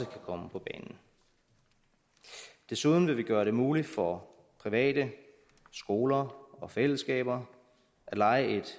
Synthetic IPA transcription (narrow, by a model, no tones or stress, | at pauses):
əkʰækʰɒ̽məpʰɒ̽b̥ɛːnn̩ | d̥e̝suð̞ˠn̩ʋe̝ʋiɡ̥ɶːɐɾe̝muːlid̥fɒ | pʰʁiʋɛ̰ːdə | sɡ̥o̝ːlɐɒ̽fel̰əsɡ̥ɛ̰ːb̥ɐ | ʔæ̥lɑ̈ɪəe̝d̥